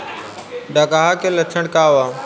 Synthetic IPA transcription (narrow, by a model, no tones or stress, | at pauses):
ɖaːkaːɦakʰelət̪ʰəɽ̃kaːʋaː